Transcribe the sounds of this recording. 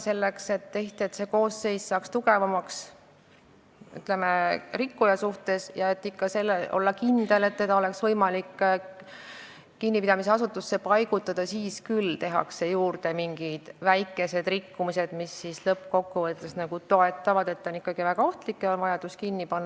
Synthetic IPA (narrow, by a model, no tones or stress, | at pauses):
se̞lːe̞kse̞t̪ːe̞ht̪iet̪se̞ko̞ːsːe̞jssɑːkst̪uɡ̥e̞vɑmɑks | y̰t̪ˑle̞merikːujɑsuht̪e̞sjɑe̞t̪ːikːɑse̞lːeʔo̞̰lːɑkind̪̥e̞le̞t̪ːe̞d̪̥ɑo̞le̞ksvɤjmɑlikː | kinːipid̪̥ɑmiseɑsut̪ːˑusːe̞pɑjɡ̥ut̪ːˑɑd̪̥ɑsiːskylt̪e̞ɦɑ̰kse̞juːrt̪e̞miŋɡ̥id̪̥væjkːˑe̞se̞d̪̥rikːumise̞d̪̥misːislɤpːko̞kːuvɤt̪ːˑesnɑɡ̥ut̪o̞e̞t̪ːˑɑvɑd̪̥e̞t̪ːˑonikːɑɡ̥ivæɡ̥ɑo̞ht̪likːˑeonvɑjɑd̪̥uskinːipɑnːɑ